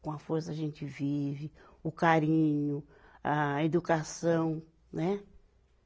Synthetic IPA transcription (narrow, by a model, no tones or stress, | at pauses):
kõɐfoɾsɐːʒẽnt͡ʃɪvivɪ | ʊkaɾĩɲʊ | aed̪ukasɐ̃w̃ | nɛ